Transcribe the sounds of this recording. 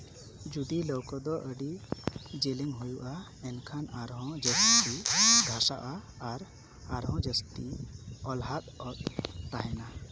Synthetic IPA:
d͡ʒud̪ilɔwkɔd̪ɔʔəɖid͡ʒeliŋɦujuʔa | ɛnkʰanaɾɦɔ̃d͡ʒəst̪iɡʱasaʔaː | ɾ | aɾɦɔ̃d͡ʒəst̪iɔlɦat̪̚ɔt̪̚ːaɦɛna

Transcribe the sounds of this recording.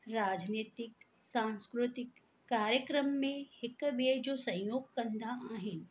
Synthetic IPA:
ɾaːd͡ʒneːt̪ɪk | sãːnskɾʊt̪ɪkː | aːɾjəkɾəmːẽhɪkmed͡ʒoːsɐ̃j̃joːɡ̚kɐ̃nd̪ʱaaːɦɪn

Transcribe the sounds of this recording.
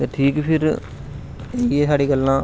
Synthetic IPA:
t̪eʈʰiːkpʰɪɾ | eːiesaːɽiːkɐlːãː

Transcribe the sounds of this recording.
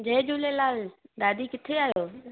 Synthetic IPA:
d͡ʑeːd͡ʒuːlelaːld̪aːd̪ikɪt̪ʰeaːɦjoː

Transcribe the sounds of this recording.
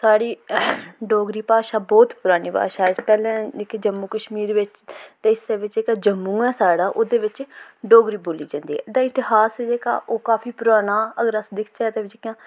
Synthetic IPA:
saːɽiː | ɖoːɡɾiːpaːʃaːbɔːt̪pʊɾaːniːpa̰ːʃaːɛpɛːlẽːɪkːd͡ʒəmːuːkəʃmiːɾʋɪt͡ʃt̪eːɪseːʋɪt͡ʃd͡ʒeːkaːd͡ʒəmːũːɛːsaːɽaːʔoːd̪eːʋɪt͡ʃɖoːɡɾiːboːliːd͡ʒãːnd̪iːɛ̰d̪aːɪt̪ɪɦaːsɛd͡ʒeːka̰ːʔoːkaːfʰiːpʊɾaːnaːəɡəɾəsd̪ɪkʰt͡ʃaɛt̪eːʋɪd͡ʒekãː

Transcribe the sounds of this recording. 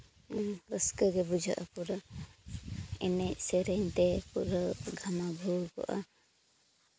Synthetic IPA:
ɾəskəɡɛbud͡ʒʱaʔapuɾa | ɛnɛc̚sɛɾɛɲt̪ɛpuɾaɡʱamabʱuwkɔ̰ʔa̰

